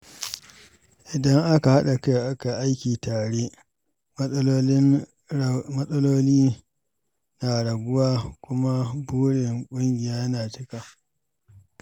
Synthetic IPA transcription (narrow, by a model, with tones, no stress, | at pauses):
ʔɪ˨dɐ˦ŋʔa˦ka˨ha˦ɗa˨ka˦˨ʔa˦ka˨ʔa˦jkʲiː˨taː˨ɽe˦ | m˦ɪ˦n | mɐ˦sʼɐ˦loː˦liː˦ | naː˨ɽɐ˨ɡʊ˦waː˦kʷʊ˦ma˦buː˦ɽɪ˨ŋkʷʼʊ˦ŋɡʲɪ˨jaː˦jɐ˦naː˨tɪ˦ka˨